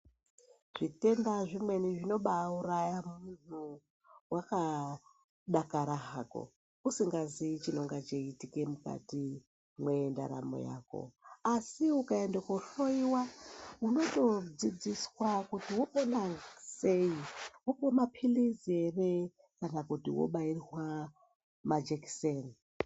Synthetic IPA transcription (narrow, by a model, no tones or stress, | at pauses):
ʐ̥ite̞ndaʐimwe̞niʐino̞ɓauɾajamunu | waka | ɗakaɾaɦako̰ | usiŋɡazit͡ʃino̞ŋɡat͡ʃeitike̞muka̰ti | mwe̞nda̰ɾa̰mo̰ja̰ko̞̰asiukaendakauɬo̞iwauno̞to̞d͡zid͡ziswakutiwopendase̞iwokomapʰilizere | kanakutiwo̰ɓairwa | mad͡ʒeki̥sen